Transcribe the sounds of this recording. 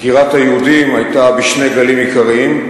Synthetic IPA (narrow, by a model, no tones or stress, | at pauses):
ɡ̥iʁɑt̪ʰajud̪imajt̪ʼabiʃnɛɡɐlimikʰəʁim